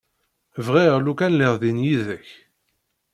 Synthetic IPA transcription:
vʁiʁlukænlɪʁðinjiðəç

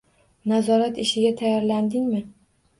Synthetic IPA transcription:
nazɒɾat̪ɪʃɪɡʲat̪ʰajɒɾland̪ɪŋmɪ

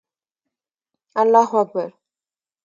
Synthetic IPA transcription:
alːaːɦuak̚baɾ

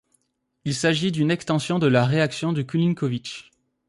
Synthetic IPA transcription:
ilsaʒid̪ynɛkst̪ɑ̃sjɔ̃d̪əlaʁeaksjɔ̃d̪əkyliŋkɔvit͡ʃ

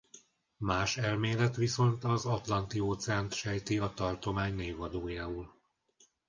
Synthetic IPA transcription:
maːʃɛlmeːlɛt̪ʋiso̞nt̪ɒzɒt̪lɒnt̪ioːt̪sɛaːnt̪ʃɛjt̪iɒt̪ɒrt̪o̞maːɲneːvɒd̪oːjaːul

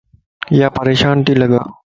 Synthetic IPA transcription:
jaːpəɾeːʃaːnt̪iːlɐɡaː

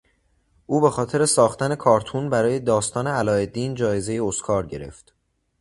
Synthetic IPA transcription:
ʔuːbe̞xɒːt̪ʰe̞ɾesɒːxt̪æne̞kʰɒːɾt̪ʰunbæɾɒːje̞d̪ɒːst̪ɒːne̞ælɒːe̞d̪iːnd͡ʒɒːje̞ze̞jeoskʰɒːɾɟe̞ɾe̞̰ft̪

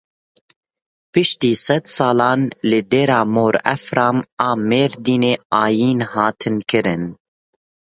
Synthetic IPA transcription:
pɨʃt̪iːsɛd̪sɑːlɑːnlɨd̪eːɾɑːmoːɾɛ̰fɾɑːmɑːmeːɾd̪iːneːɑːjiːnhɑːt̪ʰɨnkɨɾɨn

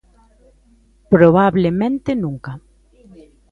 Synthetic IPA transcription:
pɾoβaβlemẽnt̪ɪnũŋka

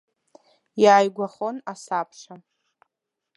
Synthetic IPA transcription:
jaːjɡʷaχonasapʰʂa

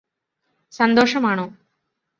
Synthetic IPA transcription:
sɐnd̪oːʂɐmaːɳoː

